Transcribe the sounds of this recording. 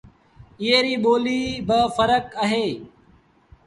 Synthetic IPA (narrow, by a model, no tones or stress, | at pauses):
ɪɦeːɾiːɓoːliːbəfəɾəkəɦeː